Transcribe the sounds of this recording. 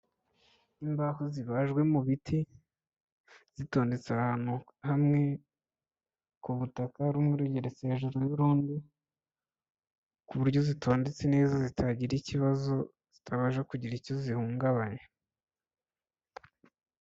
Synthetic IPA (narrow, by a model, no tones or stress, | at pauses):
imbahoziβaʒɡwe̞muβitʰi | z̥ito̞ːnde̞t͡sahaːn̥hu | hamŋe̞ | kuβutakaɾumŋeɾuɟeɾeseʒuɾojuɾuːndi | kuβuɾjo̞zitʰoːndet͡se̞ne̞ːzazitʰaɟiɾiciβazo̞ | z̥i̥tʰaβaʒakuɟiɾicozihuːŋɡaβaɲe